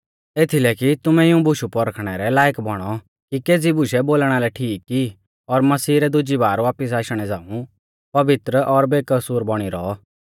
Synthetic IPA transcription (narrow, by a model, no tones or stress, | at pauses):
eːt̪ʰilɛkit̪ʊmɛ̃ɪũbʊʃupɔɾəkʰɽ̃ɛɾɛlaːjəkbɔɽ̃ɔ | kikeːd͡zibʊʃɛboːlɽ̃alɛʈʰiːkːi | ɔɾmɐsiːɾɛd̪ʊd͡ʒibaːɾʋaːpɪs̬aːʃɽ̃ɛd͡zãːũ | pɐʋɪt̪ɾəʔɔɾbeːkɐsuːɾbɔɽ̃iɾɔ